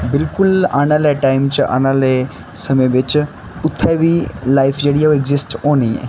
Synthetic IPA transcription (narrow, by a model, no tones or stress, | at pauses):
bɪlkʊla̰ːñaleʈaːɪmt͡ʃa̰ːñaːle | sɐmeʋɪt͡ʃ | ʊt̪ʰːabʱilaːɪfʰd͡ʒeɽijaoeɡzɪsʈɦoːniɦɛ̰ː